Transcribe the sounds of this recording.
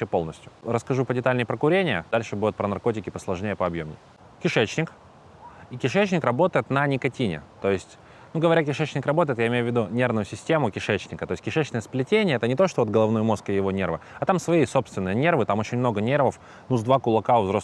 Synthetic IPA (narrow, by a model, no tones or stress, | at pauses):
epo̞lˠnəsʲtʲjʊɾəskɐʐupɾədʲɪt̪alʲnʲɪjəpɾəkʊɾʲenʲɪjəd̪̥alʲʂɨbud̪ʲʊt̪pɾənɐrko̞tʲɪkʲɪpəslˠɐʐnʲejəpəɐbjomnʲɪ̰ | kʲɪʂɛt͡ɕnʲɪk | ikʲɪʂɛt͡ɕnʲɪkɾɐbo̞t̪əjɪt̪nənʲɪkɐtʲinʲɪ̰t̪o̞ɪsʲtʲ | nuɡəvɐɾʲakʲɪʂɛt͡ɕnʲɪkrɐbo̞t̪əɪt̪jaɪmʲejʊvʲːɪd̪unʲervnʊjʊsʲɪsʲtʲemʊkʲɪʂɛt͡ɕnʲɪkət̪o̞ɪsʲtʲkʲɪʂɛt͡ɕnəjəsplʲɪtʲenʲɪjəɛt̪ənʲɪt̪o̞ʂt̪oot̪̚ɡəlˠɐvnojəmo̞skəjɪvo̞nʲe̞rvɨɐt̪amsvɐiso̞pst̪vʲɪnːɨjənʲervɨt̪amo̞t͡ɕɪnʲmno̞ɡənʲe̞rvəf | nuzd̪vakʊlˠɐkaʊvzɾos